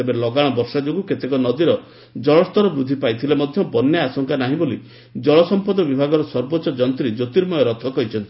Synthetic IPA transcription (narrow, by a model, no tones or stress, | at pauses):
ebeɾlɔɡaɽ̃ɔbɔɾʃad͡ʒoɡuket̪ekɔnɔd̪iɾɔ | d͡ʒɔɭɔst̪ɔɾɔbɾud̪ʱːipajt̪ʰilemɔd̪ʱjɔbɔnːjaasɔŋkanaɦĩboli | d͡ʒɔɭɔsɔmpɔd̪ɔbibʱaɡɔɾɔsɔɾboːt͡ʃːɔd͡ʒɔnt̪ɾid͡ʒot̪iɾmɔjɔɾɔt̪ʰɔkɔjt͡ʃʰɔnt̪i